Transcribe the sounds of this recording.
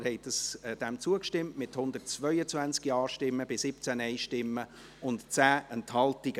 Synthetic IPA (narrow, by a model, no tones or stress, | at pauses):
hɛɪt̚d̥ɑsd̥ɛmt͡suəkʃtɪmtmɪthʊnd̥̪ət̚t͡svœʏət͡svænt͡skiɑːʃtɪmːəb̥ɪsɪp̚t͡sænɛɪʃtɪmːə | ʊntt͡sæːənthɑltɪɡ̥ə